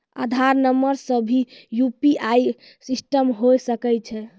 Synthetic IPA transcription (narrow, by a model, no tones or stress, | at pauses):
a̰d̪ʱaɾnəmːəɾsəbʱijupiʔaj | sisʈəmɦosəkɛt͡ʃʰɛ